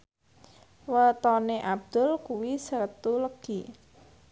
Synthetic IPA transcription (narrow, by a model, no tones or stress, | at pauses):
wət̪ɔneʔab̚d̪̥ʊ̤lkuwisərt̪uləɡ̥i